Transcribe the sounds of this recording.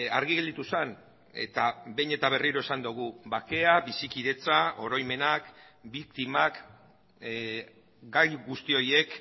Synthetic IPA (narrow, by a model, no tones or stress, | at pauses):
aɾɣiɣeld̪it̪usan | e̞̰t̪abe̞jɲe̞t̪aβ̞e̞riɾo̞esand̪uɣ̞uβake̞aβisikiðe̞t͡saʔo̞ɾo̞jme̞nak | bikt̪imak | ɡajɣust̪io̞je̞k